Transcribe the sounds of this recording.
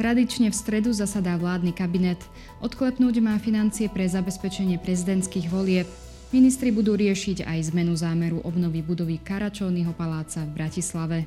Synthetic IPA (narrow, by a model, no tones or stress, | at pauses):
t̪ɾad̪it͡ʃɲɛfst̪ɾɛd̪uzasad̪aːʋlaːd̪nikabinɛt̪ | ɔt̪klɛpnuːɟmaːfinant͡siɛpɾɛzabɛspɛt͡ʃɛɲɪɛpɾɛzid̪ɛnt̪skiːɣʋɔlɪɛp̚ | minist̪ɾibud̪uːɾɪɛʃiɟa̰jzmɛnuzaːmɛɾuʔɔbnɔʋibud̪ɔʋikaɾat͡ʃɔʊniɦɔpalaːt͡savbɾacislaʋɛ